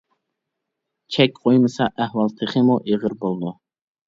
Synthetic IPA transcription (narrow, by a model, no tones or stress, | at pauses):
t͡ʃʰɛkʲqʰojmɨsɑʔæhwɑlˠt̪ʰɨχɪmuʔeʁəɾbolˠd̪u